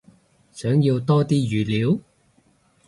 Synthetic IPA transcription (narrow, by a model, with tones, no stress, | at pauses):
sœː˨˥ŋji˧wt̪ɔː˥t̪iː˥jyː˨˩liː˨˥w